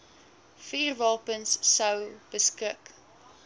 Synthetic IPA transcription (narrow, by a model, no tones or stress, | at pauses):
fiːrvɑlˠpənsːəwb̥əskək